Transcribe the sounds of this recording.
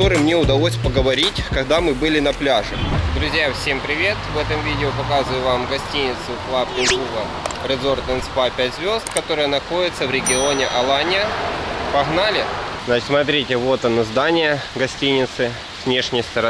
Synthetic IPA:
oɾɨmnʲeʊd̪ɐlˠosʲpəɡəvɐɾʲitʲkɐɣd̪amɨbɨlʲɪnɐplʲaʐɨd̪ɾʊzʲjafsʲe̞mpɾʲɪvʲe̞t̪vɛt̪əmvʲidʲɪʊpɐkazʊjʊvamɡɐsʲtʲinʲɪt̪sʊklapʲɪʒuɡə | pɾʲɪd̪zo̞rt̪ənspapʲætʲzvʲo̞zt̪kɐt̪o̞ɾɨjənɐxo̞dʲɪt̪səvɾʲɪɡʲɪo̞nʲɪʔɐlˠanʲɪəpɐɣnalʲɪ | znaɪt̪smɐt̪ɾʲitʲɪvo̞t̪ɐnəzd̪anʲɪjəɡɐsʲtʲinʲɪt̪sɨ | vnʲe̞ʂnʲɪjst̪əɾɐ

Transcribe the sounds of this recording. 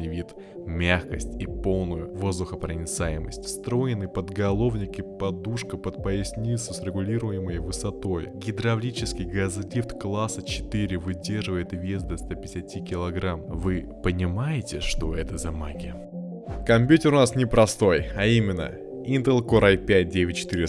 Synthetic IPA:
ɪvʲit̪ | mʲaxkəsʲtʲipo̞lˠnʊjʊvo̞zd̪ʊxəpɾənʲɪt̪sajɪməsʲtʲst̪ɾo̞jɪnɨpəd̪ɡɐlˠo̞vnʲɪkʲɪpɐd̪uʂkəpət̪̚pəɪsʲnʲisəsɾʲɪɡʊlʲiɾʊjɪməjvɨsɐt̪o̞jɡʲɪd̪ɾɐvlʲit͡ɕɪskʲɪjɡɐzlʲift̪klˠasət͡ɕɪ̥t̪ɨɾʲɪvɨdʲerʐɨvəjɪt̪vʲjest̪d̪ɐst̪apʲɪ̥ɪ̥sʲatʲikʲɪlˠɐɡɾamvɨ | pənʲɪmajɪtʲɪʂt̪o̞ɛt̪əzɐmaɡʲɪ | kɐmʲpʲjutʲɪɾʊnasnʲɪpɾɐst̪o̞jɐimʲɪnːə̰ | int̪əlˠkoɾajpʲæt̚ʲdʲevʲɪtʲt͡ɕɪ̥t̪ɨɾʲɪ

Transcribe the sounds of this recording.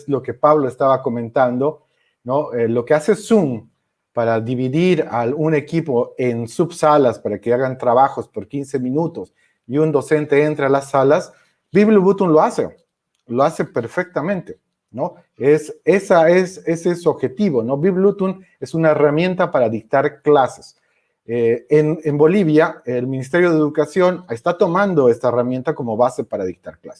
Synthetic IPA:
zlo̞ke̞paβloest̪aβako̞mẽ̞nt̪and̪o̞ | noelo̞kease̞sum | paɾaðiβiðiɾaune̞kipo̞e̞nsubsalaspaɾake̞aɣant̪ɾaβaxo̞spo̞ɾkinsemĩnut̪os | iund̪o̞se̞nt̪e̞ent̪ɾaalasːalas | biβluβut̪unlo̞asḛ | loase̞pe̞ɾfe̞k̚t̪amẽ̞nt̪e̞ | no̞ | esesaesesesoβxe̞t̪iβo̞no̞biβlut̪un | e̞sunaeramjẽ̞nt̪apaɾaðik̚t̪aɾklase̥s | eenembo̞liβjaelmĩnis̬t̪e̞ɾjo̞ðeðukasjo̞ne̞st̪at̪o̞mãnd̪o̞e̞st̪aeramje̞nt̪ako̞mo̞βase̞paɾaðik̚t̪aɾkla̰se̥

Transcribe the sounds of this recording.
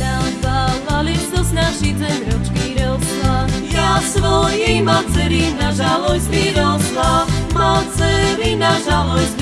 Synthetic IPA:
nazaalit̪ɔsnaʃit̪ɛnɾut͡ʃkiɾɔlslajasʋɔjimat͡sɛɾinaʒalɔjspiɾɔlslamat͡sɛɾinaʒalɔjs

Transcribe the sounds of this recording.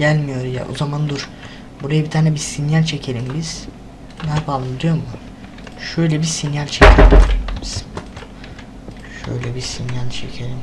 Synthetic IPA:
ɟælʲmijo̞ɾuja̰ʔo̰zamand̪uɾ̥ | buɾajabit̪ʰaːnɛbisinjalʲt͡ʃʰe̞cʰe̞lʲimbiz̥ | napʰalˠɯmd̪ijo̞ɾmu | ʃøjlʲɛbisinjalʲt͡ʃʰecʰelilibiz̥ | ʃø̰jlʲɛbisinjanʲt͡ʃʰḛcʰelʲim

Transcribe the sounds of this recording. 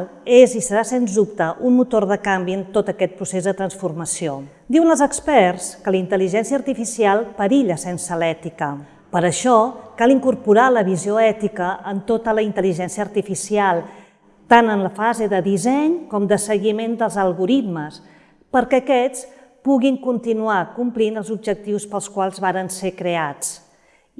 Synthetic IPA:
ezisəɾasenzðup̚t̪əʔunmut̪orð̞əkambiənt̪ot̪əkɛt̪̚pɾusezðət̪ɾənsfurməsio | d̪iwənəlˠzəkspɛrrskələint̪əliʒɛnsijəːɾt̪ifisialˠpəɾiʎəsensəlɛt̪ikə | pəɾəʃɔkalˠiŋkuɾpuɾaləβizioɛt̪ikəʔənt̪ot̪ələint̪əliʒɛnsiəːɾt̪ifisialˠ | t̪anənləfazeðəðizɛɲkɔmd̪əsəɣimend̪əlˠzəlˠɣuɾit̪məs | pəɾkɛːkɛt͡s | puɣiŋkunt̪inuakumplinəlˠzub̚ʒək̚t̪iwspəlˠskwalˠzβaɾənsekɾeat͡s

